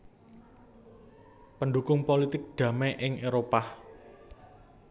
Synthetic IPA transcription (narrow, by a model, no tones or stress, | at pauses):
pənɖukʊŋpolit̪ɪk̚d̪̥ä̤mɛʔɪŋeɾopah